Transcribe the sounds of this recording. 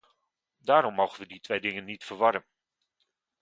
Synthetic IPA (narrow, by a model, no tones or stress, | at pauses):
daːɾɔmːowχənʋəditʋejdɪŋənːitfərʋɑɾən